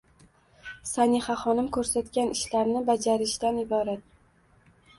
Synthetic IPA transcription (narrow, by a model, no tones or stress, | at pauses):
saniχaχɒnɪmkʰɵɾsat̪kʲanɪʃlaɾnɪbad͡ʒaɾɪʃt̪anɪbɒɾat̪̚